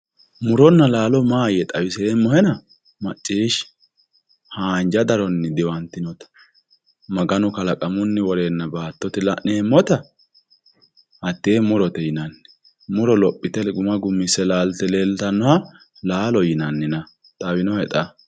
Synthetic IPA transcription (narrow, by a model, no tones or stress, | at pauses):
mʊɾɔnːɐlaːlɔmaːjɛt̪ʼɐwɪseːmːɔhɛnɐ | mɐt͡ʃʼːiːʃ | haːnd͡ʒɐd̪ɐɾɔnːɪd̪ɪwɐnt̪ːɪnɔt̪ɐ̥ | mɐɡɐnʊkɐlɐkʼɐmʊnːɪwɔɾeːnːɐbaːt̪ːɔt̪ɪlɐ̰ʔneːmːɔt̪ɐ | hɐt̪ːeːmʊɾɔt̪ɛjɪnɐnːɛ̥ | mʊɾɔlɔpʼːɪt̪ɛlɛɡʊmɐɡʊmːɪsɛlaːlt̪ɛleːlt̪ɐnːɔhɐ | laːlɔjɪnɐnːɪnɐ | t̪ʼɐwɪnɔhɛt̪ʼɐ